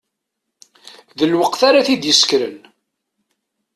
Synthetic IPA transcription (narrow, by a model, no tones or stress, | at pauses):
ðəlwəqθaɾaθid̪jəskɾə̰n